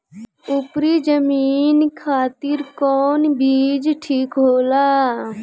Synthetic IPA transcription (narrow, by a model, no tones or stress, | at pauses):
ʊpɾid͡ʒəmiːnkʰaːt̪ɪɾkɔːnbʱiːd͡ʒʈʰiːkɦoːlaː